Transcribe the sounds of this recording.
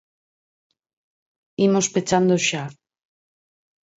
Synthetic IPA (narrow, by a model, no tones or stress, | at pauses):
imospet͡ʃand̪oʃa